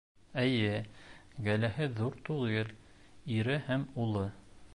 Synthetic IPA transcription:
ɘ̆jɘ | ɡælæhɘðuɾt̪uʁɤl | iɾɘhæmulˠɤ

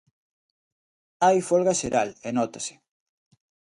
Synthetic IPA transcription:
ajfɔlɣaʃeɾʔalenɔt̪esɪ̥

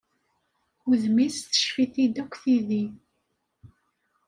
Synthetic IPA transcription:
ʊðmisθə̥ʃfiθid̪ækʷːθiði

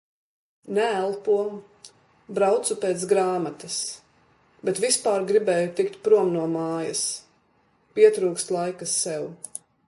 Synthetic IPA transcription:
nɛælˠpuɔ | bɾawt̪supeːt̪sɡɾaːmat̪ɐs | bɛt̪vispaːɾɡɾibɛːjut̪ikt̪̚pɾuɔmnuɔmaːjɐs | piɛt̪ɾuːkst̪lˠajkasːɛw

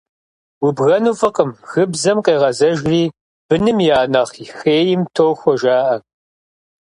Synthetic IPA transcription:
wibɣɐnuːfɨqʼəmxɨbzɐmqeːʁɐzɐʒriː | b̥ɨnɨmjaːnɐχixeːjɪmtʰoːxʷɔʒaːʔɐ

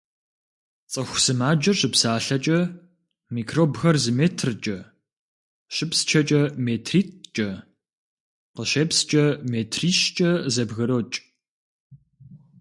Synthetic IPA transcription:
t͡sʼɐxʷsɨmaːd͡ʒɐɕʼɨpsaːɬɐt͡ʃʼɐ | miːkʰroːbxɐrzɨmeːtʰrt͡ʃʼɐ | ɕɪpst͡ʃʰɐt͡ʃʼɐmeːtʰriːt̚t͡ʃʼɐ | qəɕeːpst͡ʃʼɐmeːtʰriːɕt͡ʃʼɐzɐbɣɐɾot͡ʃʼ

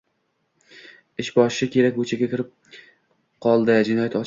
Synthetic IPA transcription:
ɪʃbɒʃɪʃɪkʲʰe̞ɾak̚ʲbɵt͡ʃʰaɡʲakʲɪɾɪp̚ | qʰɒlˠd̪ɪd͡ʒɪnɒjat̪ɒt͡ʃ

